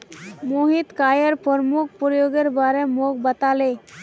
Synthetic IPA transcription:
moɦit̪kaːjəɾpɔɾmuk̚ʰpɾjoɡeɾbaɾemok̚bət̪ale

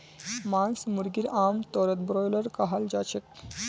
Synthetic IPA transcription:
mansmuɾɡiɾamt̪ɔɾət̪bɾɔjləɾkaɦald͡ʑat͡ɕek

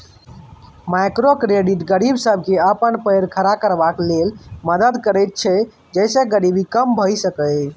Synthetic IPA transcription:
majkɾokɾeɖiʈɡəɾibsəb̚ʱkeəpənpəjɾkʰəɾakəɾbaklelməd̪əd̪kəɾəjt̪̚t͡ʃʰɛ | d͡ʒəɪseɡəɾibikəmbʱəjsəkə

